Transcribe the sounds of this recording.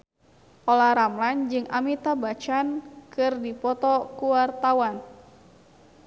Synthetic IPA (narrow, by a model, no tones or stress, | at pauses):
ʔɔlaɾamland͡ʒɨŋa̰mit̪abat͡ʃankɨrdipɔt̪ɔkuwart̪awan